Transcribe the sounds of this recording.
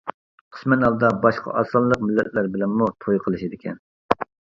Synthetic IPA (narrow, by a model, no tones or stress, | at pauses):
qʰə̥smɛnɑlˠd̪ɑbɑʃqʰɑ̰ʔɑsɑnlːˠəq̚mɪlːɛt̪̚læɾbɪlɛnmut̪ʰojqʰəlˠɨʃid̪ɪkʲʰɛn